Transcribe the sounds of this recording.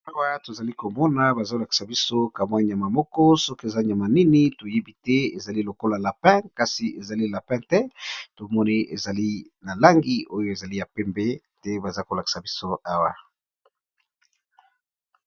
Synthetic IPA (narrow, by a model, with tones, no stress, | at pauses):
a˦wa˦to˨za˨li˦ko˨mɔ˦na˨ba˨za˦o˨la˨ki̥˨sa˨bi˦so˦ka˨mwa˦ɲ˨a˨ma˨mɔ˦kɔ˦sɔ˦ke˨za˦ɲ˨a˨ma˨ni˦ni˦to˨je˦bi˦tɛ˦e˨za˨li˦lo˨ko˦la˨la˨pɛ̃˦ka˨si˨e˨za˨li˦la˨pɛ̃˦tɛ˦to˨mɔ˦ni˦ʔḛ˨za˨li˦na˨la˦ŋɡi˦ʔo˦jo˦e˨za˨li˦ja˨pɛ˦mbe˦ | tɛ˦ba˨za˦ko˨la˨ki̥˨sa˨bi˦so˦a˦wa˨